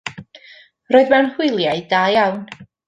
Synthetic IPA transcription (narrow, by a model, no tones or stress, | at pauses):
roːɨðmanhʊɨlˠjajdaːjawn